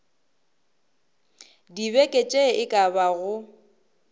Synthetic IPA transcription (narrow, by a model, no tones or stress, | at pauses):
dibɛkʼet͡ʃʼeɪkʼabaɣʊ